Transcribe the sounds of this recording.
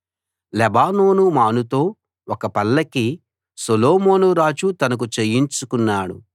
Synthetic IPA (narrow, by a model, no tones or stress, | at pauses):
lɛbaːno̞ːnumaːnut̪o̞ː | ɔkɐpɐlːɐki | soloːmoːnuɾaːd͡ʒut̪ɐnɐk̬ut͡ʃejiɲt͡ʃukunːaːɽṵ